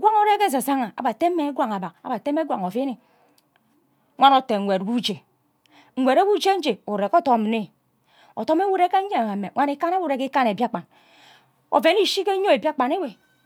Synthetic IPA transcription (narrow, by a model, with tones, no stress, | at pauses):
ɡʷa˦ŋo˦ɾe˦ke˦s̬a˨sa˦ŋa˨a̰˨ba˨te˦me˦ɡʷa˨ŋa˨ba˨ka̰˨˦ba˨te˦me˦ɡʷa̰˨ŋo˨fe˦ne˨ | ŋʷa˦no˨te˨ŋʷ˨e˨twu˦d͡ʒe˨ | ŋ̩˨wʷe˨ɾa˦wu˦d͡ʒe˦n̩˦d͡ʒe˨u˨ɾe˨ko˦to˨˦˨m˨ne˦ | o̰˨to˦me˦wu˦ɾe˦ke˦e˦˨a˨me˨ŋʷa˦ni˦ka˦na˦wu˦ɾe˦ki˦ka˦ne˨bja˦˨k͡pa˨n | o̰˨ve˨˦ni˦ʃi˦ke˦ɲo˦e˨ba˦k͡pa˨ne˦we˨